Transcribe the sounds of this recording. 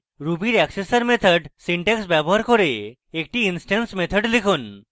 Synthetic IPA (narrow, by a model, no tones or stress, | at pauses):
ɾubiɾɛksesəɾmet̪ʰəɖsiɳʈeksbjabɔɦaɾkɔɾeː | k̚ʈiːnsʈensmet̪ʰəɖlikʰun